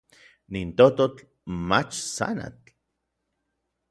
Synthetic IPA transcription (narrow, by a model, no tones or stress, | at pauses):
nint̪ot̪ot͡ɬ | mat͡ʃsa̰na̰t͡ɬ